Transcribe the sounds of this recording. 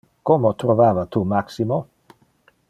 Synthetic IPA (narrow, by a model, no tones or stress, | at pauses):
komot̪ɾovaːvat̪umaksimo